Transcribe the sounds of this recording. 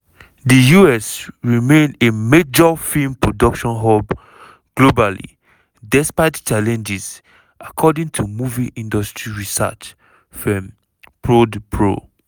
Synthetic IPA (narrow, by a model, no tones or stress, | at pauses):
dijuɛsɹimẽnemed͡ʒɔfĩmpɹodɔkʃɔ̃nɦɔb | ɡ̥lobalḭ | dɛspaɪtt͡ʃalɛ̃nd͡ʒiz | ʔakʰɔdĩŋtʰumuviʔĩndɔstɹiɹisa̰t͡ʃ | fɔ̃m | pʰɹodpʰɹo̰